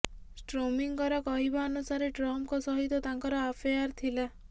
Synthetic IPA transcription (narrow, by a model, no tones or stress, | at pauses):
sʈɾomiŋkɔɾɔkɔɦibaːnusaɾeʈɾɔmkɔsɔɦit̪ɔt̪aŋkɔɾɔapʰejaɾt̪ʰila